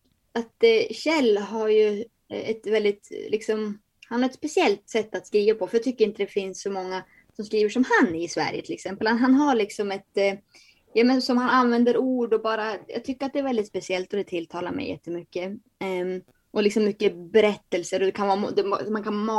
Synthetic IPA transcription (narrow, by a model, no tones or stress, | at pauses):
at̪ɕɛlːɦaɾjɵ | ɛt̪vɛld̪ɪt̪lʔɪksɔm | hanhaɾɛt̪spɛsɪɛlt̪sɛt̪ːat̪skɾiːvapʰɔfœɾjɑːt̪ʰʏkːəɾɪnt̪əd̪ɛfɪnsːɔmɔŋːa | sɔmskɾiːvəʂɔmhanːɪsvæ̰ɾjət̪ʰɪlɛksɛmpəlanɦanɦaɾɭɪksɔmɛt̪ | jamɛnsɔmhananvɛnd̪əɾuːɖɔbɑːɾajɑ̰ːɡt̪ʰʏkːəɾat̪̚d̪ɛːɾvɛld̪ɪt̪spɛsɪɛlt̪ɔd̪ɛt̪ʰɪlt̪ʰɑːla̰ɾmɛ̰jɛ̰t̪ːəmʏkːə | ʔɔlɪksɔmːʏkːəbɛɾɛt̪ːəlsəɾɔd̪ɛkʰanvɑːmd̪ɛmankʰanːmɑ